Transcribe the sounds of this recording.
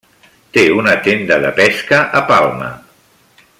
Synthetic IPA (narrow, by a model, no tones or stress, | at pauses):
t̪eunat̪end̪əðə̰pɛskəʔəpalˠmə̰